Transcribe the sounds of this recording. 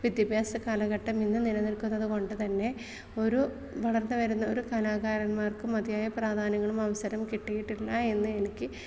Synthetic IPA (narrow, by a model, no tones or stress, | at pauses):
ʋid̪jɐbʱjaːsɐkaːlɐɣɐʈːɐminːɨnilɐnilkunːɐðɨko̞ɳɖɨt̪ɐnːe̞ | o̞ɾu | ʋɐɭɐrnːɨʋɐɾunːɐo̞ɾukɐlaːɣaːɾɐnmaːrkɨmɐd̪ijaːjɐpraːd̪ʱaːnɐŋːɐɭumɐʋɐsɐɾɐmkiʈːijiʈːilːɐe̞nːɨe̞nikʲːɨ